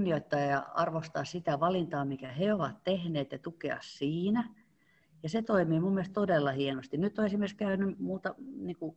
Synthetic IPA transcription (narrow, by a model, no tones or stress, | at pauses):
nːioit̪ːɑːjjɑ̰ɑ̰rʋost̪ɑ̰ːssit̪æʋɑlint̪ɑːmikæheoʋɑt̪t̪ehneːt̪jɑt̪ukeɑ̰ssiːnæ | jɑset̪oimiːmumːielst̪odelːɑhienost̪innyt̪ːoesimerskæynymuːt̪ɑniːku